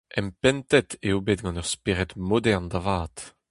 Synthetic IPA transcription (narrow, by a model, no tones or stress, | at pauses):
ɛ̃mpɛ̃nt̪ɛt̪eobed̪ɡɑ̃nœʁspeʁɛt̪mod̪ɛʁnd̪avaːt̪